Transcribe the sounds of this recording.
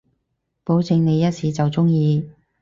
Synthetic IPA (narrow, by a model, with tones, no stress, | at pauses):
po˨˥wt͡sɪ˧ŋne˨˧jɐ˥t̚siː˨˥t͡sɐ˨wt͡sʊ˥ŋjiː˨˧